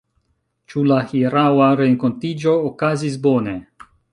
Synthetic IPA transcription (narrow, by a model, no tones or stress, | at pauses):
t͡ʃulahiɾawaɾeŋko̞ntid͡ʒo̞ːkazis̬bo̞ne̞